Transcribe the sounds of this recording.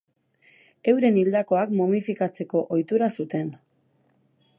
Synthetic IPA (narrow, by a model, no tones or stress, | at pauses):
e̞wɾe̞nild̪ako̞akmoβifikat͡se̞ko̞ʔojt̪uɾasut̪e̞n